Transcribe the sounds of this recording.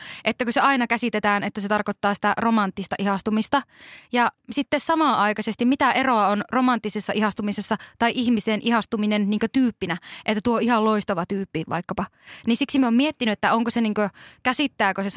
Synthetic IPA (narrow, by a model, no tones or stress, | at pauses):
ʔet̪ːækøseɑinɑkæsit̪et̪æːnet̪ːæset̪ɑrkot̪ːɑːsi̥t̪æromɑnt̪ːist̪ɑʔihɑst̪umist̪ɑjɑsit̪ːessɑmɑːɑikɑsest̪imit̪æʔeroɑonromɑnt̪ːisesːɑʔihɑst̪umisesːɑt̪ɑiʔihmiseːnʔihɑst̪uminenniːŋkøt̪yːpːinæʔet̪ːæt̪uoihɑlloist̪ɑʋɑt̪yːpːiʋʔɑ̰ikːɑpɑ | ninsiksimiomiet̪ːinyet̪ːæoŋkoseniːŋkøkæsit̪ːæːkøse